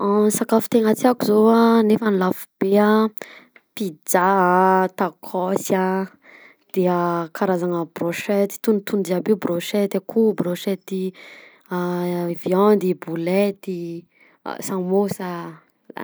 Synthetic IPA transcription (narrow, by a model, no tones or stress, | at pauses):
ansakafu̥t̪eŋat͡siakuzoanefənilafub̥ea | pid͡zat̪akʰɔsja | d̪̥eəkʰaɾazaŋəb̥ɾoʃɛt̪i̥t̪unit̪und͡ʒiabiubroʃɛt̪akʰubɾoʃɛt̪i | avjand̪ibulɛt̪ḭ | samosa̰